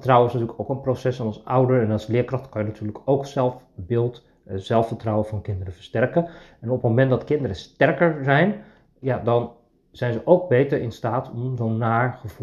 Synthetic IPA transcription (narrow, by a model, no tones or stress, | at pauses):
ətrawəɪsnatyːləkowkənprosɛsɔnɑlˠsʌwdəɹɛnɑlˠslɪːəkrɑχtkɑnjənatʰyːləkʰowksɛlˠfbɪːlˠt | z̥ɛlˠfəɹtrawəvɑnkɪndərəfəɹstɛrkəɛnɔpəmomɛntdɑtkɪndərəstɛrkəɹzɛjn | jadɑn | z̥ɛjnzəʔowk̚bejtəɹɪnstaːtʰɔmzownːaːɹχəvu